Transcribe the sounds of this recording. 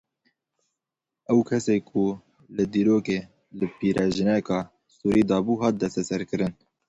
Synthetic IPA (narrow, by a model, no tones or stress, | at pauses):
ɛwkʰɛseːkʰu | lɨd̪iːɾoːkeː | lɨpʰiːɾɛʒɨnɛkɑː | suːɾiːd̪ɑːbuːɦɑːt̪̚d̪ɛst̪ɛsɛɾkɨɾɨn